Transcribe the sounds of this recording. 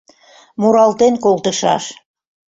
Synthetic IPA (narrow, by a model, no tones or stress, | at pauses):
muɾɑlt̪enkolt̪əʃɑ̰ʃ